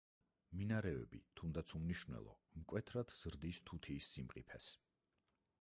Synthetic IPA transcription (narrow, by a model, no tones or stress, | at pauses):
minaɾɛvɛ̰bḭt̪ʰund̪at̪sʰumniʃnɛ̰lˠɔ̰mkʼwɛt̪ʰɾat̪ʰz̥ɾd̪ist̪ʰut̪ʰiːsːimqʼipʰɛs